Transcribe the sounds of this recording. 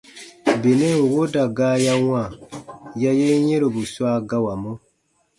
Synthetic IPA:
be˨nɛ˦ŋ̩˨wo˦da˨ɡaː˦ja˦wã˦˨ja˦je˦jɛ̃˦ɾo˨bu˨swa˦ɡa˦wa˨mũ˦

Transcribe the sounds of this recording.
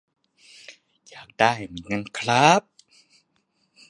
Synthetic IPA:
jaː˨˩k̚d̥aː˥˩jha˧˩miː˨˩˦nŋɤː˧nkʰɾa˦˥p̚

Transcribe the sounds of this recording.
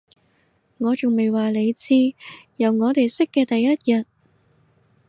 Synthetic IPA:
ŋɔː˨˧t͡sʊ˨ŋme˨jwaː˨le˨˧jt͡siː˥jɐ˨wŋɔː˨˧t̪e˨jsʏ˥kːɛː˧t̪ɐ˨jːɐ˥t̚jɐ˨t̚

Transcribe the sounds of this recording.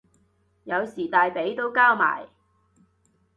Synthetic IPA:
jɐ˨˧wsiː˨˩t̪aː˨˧jpe˨˥jt̪o˥wkaː˥wma̰ː˨˩j

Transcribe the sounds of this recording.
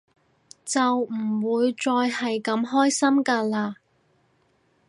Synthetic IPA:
t͡sɐ˨wm̩˨˩wuː˨˧jt͡sɔː˧jhɐ˨jkɐ˨˥mɦɔː˥jsɐ˥mkaː˧laː˧

